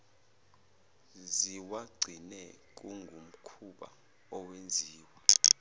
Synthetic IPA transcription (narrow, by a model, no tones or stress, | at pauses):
ziwaɡ͡ǀʱinɛk̬ʼuŋɡʱum̩kʰuɓa̰ | ɔwend͡zʱiːwa